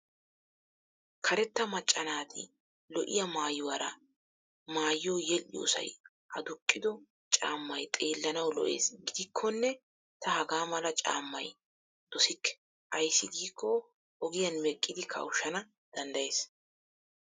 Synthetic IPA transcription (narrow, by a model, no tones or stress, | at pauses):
kʰɐɾɛt̪ːɐmɐt͡ʃʼːɐnaːt̪ʰɪ̰ | lɔʔɪ̰jɐmaːjʊwɐɾɐ | maːjːoːjɛlɪjo̰ːsɐ̰j | ʔɐd̪ʊkʼːɪd̪ɔ | t͡ʃʼaːmːɐjt̪ʼe̞ːlːɐnɐwlɔ̰ʔe̞̰ːsɡiːkʰːɔnːɛ | t̪ɐhɐɡaːmɐlɐt͡ʃʼa̰ːmːɐj | d̪̥ɔsɪkːɛ̥ | ʔɐjsːɪɡiːkʰːɔ | ʔɔɡɪjɐnmɛkʼːɪd̪ɪkʰɐ̰ʊʃːɐnɐ | d̪̥ɐnd̪ɐje̞ːs